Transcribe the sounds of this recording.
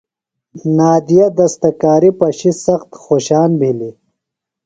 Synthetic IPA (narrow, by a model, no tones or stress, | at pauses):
naːd̪ijɐd̪ɐst̪ɐkaːɾipɐɕisɐxt̪xoːɕaːnbʱili